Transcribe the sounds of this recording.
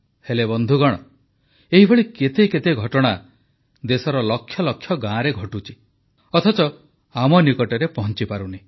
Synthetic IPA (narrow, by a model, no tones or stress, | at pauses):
helebɔnd̪ʱuɡɔɽ̃ɔ | eɦibʱɔɭiket̪eket̪eɡʱɔʈɔɽ̃a | d̪esɔɾɔlɔkʰːjɔlɔkʰːjɔɡãɾeɡʱɔʈut͡ʃʰi̥ | ɔt̪ʰɔt͡ʃɔ | amɔnikɔʈɔɾepɔɦɔnt͡ʃipaɾuni